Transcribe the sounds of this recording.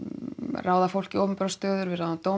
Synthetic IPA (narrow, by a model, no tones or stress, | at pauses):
raːwðafowl̥cɪowʏmpɛɾast̪œːðʏɾvɪɾaat̪ow